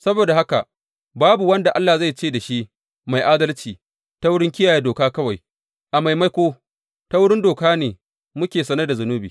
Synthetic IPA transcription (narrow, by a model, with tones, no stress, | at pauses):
sɐ˦boː˨da˨ha˦ka˨ʔ | baː˦bu˨wɐ˦nda˨ʔa˦lːaː˨za˦˨jt͡ʃeː˦˨da˨ʃi˦ʔ | ma˨jʔaː˦dɐ˦lt͡ʃiː˨ | ta˦wʊ˦ɽɪ˦ŋkʲɪ˦jaː˨je˦doː˨kaː˦kɐ˦wa˨j | ʔa˨ma˨jma˦jkʷoː˦ | ta˦wʊ˦ɽɪ˦ndoː˨kaː˦neː˨ | mʊ˦kʲeː˨sɐ˦nɐ˦da˨zʊ˨nuː˦bḭː˨